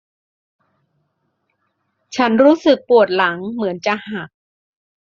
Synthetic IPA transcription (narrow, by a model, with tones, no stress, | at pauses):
t͡ɕʰa˦˥nɾuː˦˥sɯ˨˩k̚pu˨˩ət̪̚la˩˦ŋmɯ˩˦ənt͡ɕa˨˩ʔhaː˨˩k̚